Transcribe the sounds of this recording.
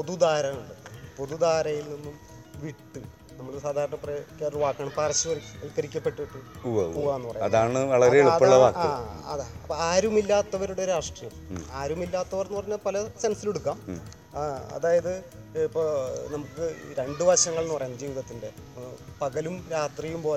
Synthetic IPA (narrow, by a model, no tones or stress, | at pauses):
po̞ðud̪aːɾɐuɳɖɨpo̞ðud̪aːɾɐjilninːum | ʋiʈːɨ | nɐmːɐɭesaːd̪ʱaːɾɐɳɐprɐkːeːdɐɭʋaːkːaːɳɐmpaːrɐɕuʋɐɐlkːɐɾikʲːɐpːe̞ʈːuiʈːuuauʋaːenːupɐrɐjaɐðaːɳɨʋɐɭɐɾeiɭːɐɭːɐʋaːkːaɨːɐ̰ðeɐpːɐaːɾumilːaːt̪ːɐʋɐɾuɽeoɾuɾaːʂʈrijɐmaːɾumilːaːt̪ːɐʋɐrnːpɐrɐɲːɐðpɐlɐsensileɽukːaːm | ɐ̰ðaːjɐðɨipːonɐmukːɨɾe̞ɳɖɨʋɐɕɐŋːɐɭnːupɐrɐjaːnːɐd͡ʑiːʋiðɐt̪ːinde̞pɐɣɐlumɾaːt̪rijumpo̞ː